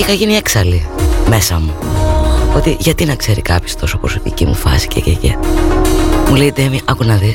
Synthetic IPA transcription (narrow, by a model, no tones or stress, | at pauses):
ixɐʝinieksɐlime̞sɐmu | o̞t̪iʝɐt̪inɐkse̞ɾikɐpçost̪o̞sopɾo̞so̞pḭcimṵfɐ̰si̥cḛcecḛ | mulet̪emiʔɐkunɐði